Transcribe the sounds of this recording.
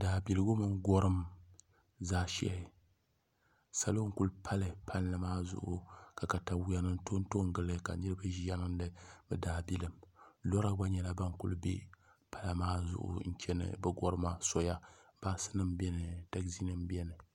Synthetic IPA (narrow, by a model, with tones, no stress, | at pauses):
daː˨bi˨lɨ˦ɡʊ˦mɨ˦ŋ˦ɡɔ˦ɾɨ˦m | zaː˦ʃɛ̰˨ | sa˨lo˦ŋ̩˦ku˦lpʰa˦lɨ˨pʰa˦n˦lɨ˨maː˦zʊ̰˨ʔʊ̰˨ka˨ka˨ta˨wa˨nɨ˦n̩˦to˦n˦to˦ŋ˦ɡɨ˨lɨ˦ka̰˨nɨ˦ɾɨ˦ba˦ʒa˦nɨ˦n˦dɨ˦bɨ˨daː˨bi˦lɨ˨mlɔ˦ɾa˦ba˦ɲɛ˦la˦ba˦ŋ˦kʊ̰˦lbḛ˦ | pa˦la˨maː˦zʊ̰˨ʔʊ̰˨n̩˦t͡ʃɛ˦nɨ̰˦bɨ˦ɡɔ˦ɾɨ˦ma˦sɔ˦ja˦b̥aː˦sɨ̥˦nɨ˦mbɛ˦nɨ˨ta˦kzi˦nɨ˦m˦bɛ˦nɨ˨